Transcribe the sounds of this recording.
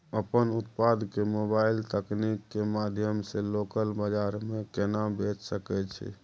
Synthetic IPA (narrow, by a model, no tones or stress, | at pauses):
əpənut̪pad̪kemobailt̪əknikːemad̪ʱjəmselokəlbəd͡ʒaɾmekenabet͡ʃsəkɛt͡ʃʰɛ̰